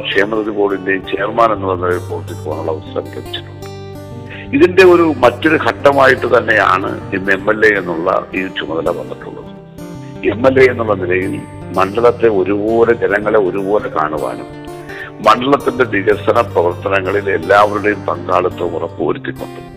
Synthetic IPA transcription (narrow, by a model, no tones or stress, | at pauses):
kʂeːmɐt̪ɐðibo̞ːɭinde̞jmt͡ɕeːrmaːne̞nːuɭːɐnilɐjilpoːrut̪ːikʲːuʋaːɳuɭːɐʋɐsɐɾɐ̰mɐkɐpit͡ɕːi̥ʈːuɳɖɨ | iðinde̞o̞ɾumɐtːo̞ɾukʰɐʈːɐmaːjiʈːɨt̪ɐnːe̞ja̰ːɳɨ̰inːemːelːejenːuɭːɐ̰iːt͡ɕumɐðɐlɐʋɐ̰nːɐʈːṵɭːɐ̰ðɨ | emːelːe̞jenːuɭːɐnilɐjil | mɐɳɖɐɭɐt̪ːe̞o̞ɾubo̞ːled͡ʑɐnɐŋːɐɭe̞o̞ɾubo̞ːle̞ka̰ːɳuʋa̰ːnṵm | mɐɳɖɐɭɐt̪ːinde̞diɣɐrsɐnɐprɐʋɐrt̪ɐnɐŋːɐɭile̞̰lːaːʋɐɾuɽejumpɐŋɡaːɭut̪ːɐmurɐpːo̰ːɾut̪ːikʲːuɳɖɨ